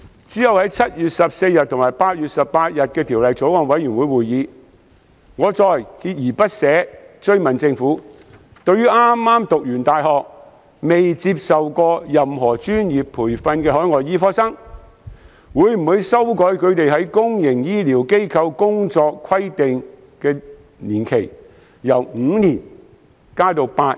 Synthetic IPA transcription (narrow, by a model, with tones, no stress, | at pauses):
t͡si˨˥jɐ˨˧whɐ˨˥jt͡sʰɐ˥t̚jyː˨t̚sɐ˨p̚se˧jjɐ˨t̚t̪ʰʊ˨˩ŋmaː˨˩jpaː˧t̚jyː˨t̚sɐ˨ppaː˧t̚jɐ˨t̚kɛː˧t̪ʰiː˨˩wlɐ˨jt͡so˨˥wkɔ˨ŋwɐ˨˥jyː˨˩nwuː˨˧jwuː˨jjiː˨˧˥ | ŋɔː˨˧t͡sɔː˨jkiː˧t̚jiː˨˩pɐ˥t̚sɛː˨˥t͡ʃɵ˥ɥmɐ˨˩nt͡sɪ˧ŋfuː˨˥ | t̪ɵ˧ɥyː˥ʔaː˥mːaː˥mt̪ʊ˨k̚jyː˨˩nt̪aː˨jɦɔː˨k̚ | me˨jt͡siː˧p̚sɐ˨wkɔː˧jɐ˨mɦɔː˨˩t͡ʃyː˥njiː˨˩pʰːuː˨˩jfɐ˧nkɛː˧ɦɔː˨˥jŋɔː˨˩jjiː˨˥fɔː˥sɐ˥ŋ | wuː˨˧jm̩˨˩huː˨˧˥jsɐ˥wkɔː˨˥jkʰɵ˨˧ɥt̪e˨jɦɐ˨˥jkʊ˥ŋjɪ˨˩ŋjiː˥liː˨˩wke˥jkʰɐ˧wkʊ˥ŋt͡sɔː˧kʰwɐ˥jt̪ɪ˨ŋ | kɛː˧ | niː˨˩nkʰe˨˩j | jɐ˨˩wŋŋ̩ː˨˧˥niː˨˩n | kaː˥t̪o˨˧wpaː˧t̚